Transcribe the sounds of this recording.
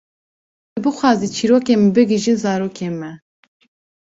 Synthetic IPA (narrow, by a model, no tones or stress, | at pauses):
ɨbɨxʷɑːziːt͡ʃʰiːɾoːkeːmbɨɡiʒinzɑːɾoːkʰeːnmɛ